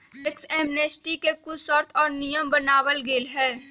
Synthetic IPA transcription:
ɪksɛːmneːsʈikekʊsɔɾt̪ʰɔːɾnijəmbənaːwəlɡeːlɦɛː

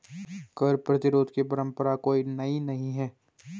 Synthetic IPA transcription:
kɐɾpɾɐt̪ɪɾoːd̪kepɐɾə̃mpəɾakoːinɐĩnɐɦĩɦɛː

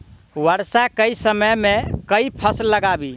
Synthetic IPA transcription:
wəɾsakəisəməmekəipʰəsləɡabi

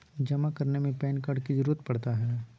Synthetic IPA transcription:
d͡ʒɐmakɐɾnemẽpɛːnkəɖkizɐɾuːɾət̪̚pɐɽt̪aɦɛː

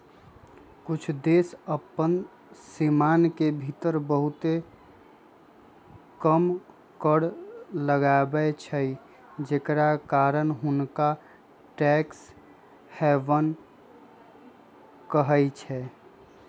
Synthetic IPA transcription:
kʊt͡ʃʰd̪eːsəpən | simaːnkebʱit̪əɾbəɦʊt̪e | kəm | kəɽləɡabət͡ʃʰəi | d͡ʒekɾakaːɾənɦʊnka | ʈɛːks | hɛːʋən | kəɦəit͡ʃʰɛː

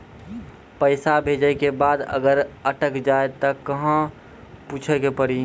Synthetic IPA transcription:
pəɪsabʱeːd͡ʒəekebaːd̪ə̰ɡəɾəʈəkd͡ʒaːet̪əkəɦã | puːt͡ʃʰəkepəɾi

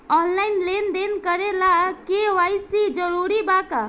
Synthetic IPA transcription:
ɔːnlaɪnlend̪enkəɾelakeʋajsid͡ʒəɾuɾibaka

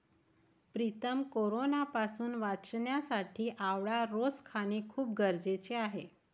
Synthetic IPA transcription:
pɾit̪əmkoɾonapasuːnʋat͡snjasaʈʰiːʔaʋɭaɾoskʰañekʰuːp̚ɡəɾd͡zet͡seaɦe

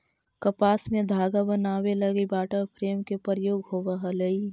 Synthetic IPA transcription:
kəpaːsmẽd̪ʱaːɡabənaːwelɐɡibaːʈəpʰɾeːmkepəɾəjoːɡɦoːʋəɦələi

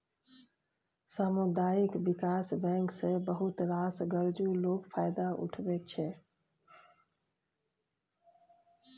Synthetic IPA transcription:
səmʊd̪aikbikasbɛ̃ŋksẽbəɦut̪ɾasɡəɾd͡ʒuloɡpʰajd̪aʔṵʈʰbɛt͡ʃʰɛ

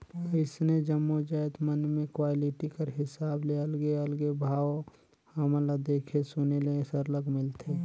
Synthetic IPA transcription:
ɪsned͡ʒəmːod͡ʒajt̪mənmẽkwaːlɪʈikəɾɦɪsaːbleəlɡeəlɡebʱaːw | həmlad̪eːkʰesʊnelesəɾləɡmɪlt̪ʰe

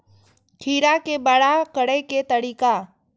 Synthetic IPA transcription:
kʰiːɾakebaɽakəɽeket̪əɽiːka

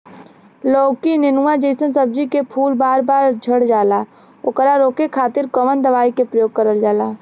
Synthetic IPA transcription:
loːɡkinɪnuwãd͡ʒəɪsənsəb̚d͡ʒikepʰuːlbaːɾbaːɾd͡ʒʱəɽd͡ʒaːlaː | ʊkəɾaɾoːkekʰaːt̪ɪɾkəʋənd̪əʋaːikepɾəjoːɡ̚kəɾəld͡ʒaːlaː

